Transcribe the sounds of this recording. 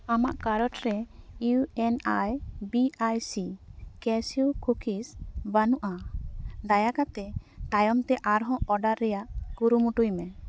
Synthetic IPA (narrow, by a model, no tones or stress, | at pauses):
amaʔkaɾɔʈɾɛuɛnajbiajsikɛsiukukʰisbanuʔad̪ajakat̪ɛʈajɔmt̪ɛʔaɾɦɔ̃ɔɖaɾːɛjaʔkuɾumuʈujmɛ